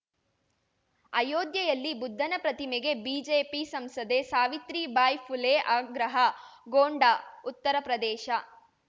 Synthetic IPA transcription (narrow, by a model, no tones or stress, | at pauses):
ɐjoːd̪jɐjɐlːibud̪ʱːɐnɐpɾɐt̪imɛɡe̞biːd͡ʒeːpisɐmsɐd̪esaːʋit̪ɾibaːjpʰuleːʔaːɡɾɐɦɐɡoːɳɖaut̪ːɐɾɐpɾɐd̪ɛːʃɐ